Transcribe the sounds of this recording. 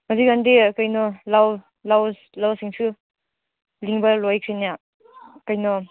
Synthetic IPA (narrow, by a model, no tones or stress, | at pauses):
maziɡandikajnɔlaw | laws | lawsiŋsʰu | liŋbɐlɔjkʰɾinija | kajnɔ